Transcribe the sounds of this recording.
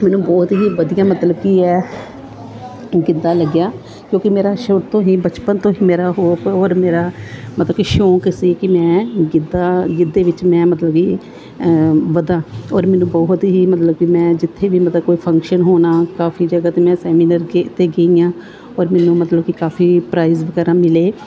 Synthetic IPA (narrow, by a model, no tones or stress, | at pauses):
mɛːnũːbɔːt̪ɦiːʋəd̪ijãːmət̪ləb̚kiːɛː | ɡɪd̪aːləɡjaː | kjõːkɪmeːɾaːʃot̪ʰõːɦiːbət͡ʃpənt̪õːɦiːmeːɾaːɦoːpɔːɾmeːɾaːmət̪ləbkiʃõːkɪsiːkɪmɛ̃ːɡɪd̪aːɡɪd̪ːeːʋɪt͡ʃmɛ̃ːmət̪ləbkiː | ʋəd̪ãːɔːɾmɛ̃ːnũːbɔːɦt̪ɦiːmət̪ləbkɪmɛ̃ːd͡ʒɪt̪ʰːeːʋiːmət̪ləb̚koːiːpʰəŋkʃənɦoːnaːkaːfʰiːd͡ʒəɡaːt̪eːmɛ̃ːsɛːmiːnəɾɡt̪eːɡeijãː | ɔːɾmɛːnũːmət̪ləbkɪkaːpʰiːpɾaːizʋəkɛːɾãːmɪleː